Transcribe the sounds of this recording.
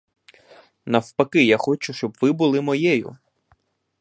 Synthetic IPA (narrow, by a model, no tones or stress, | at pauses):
nɐwpɐkɪjaxɔt͡ʃʊʃt͡ʃɔbʋɪbʊlˠɪmɔjɛjʊ̰